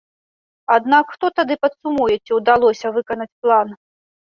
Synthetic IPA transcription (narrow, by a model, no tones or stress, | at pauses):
ad̪nakxt̪ɔt̪ad̪ɨpɐt̪sumujɛt͡sʲiwd̪alˠɔsʲɐvɨkɐnɐt͡sʲplˠan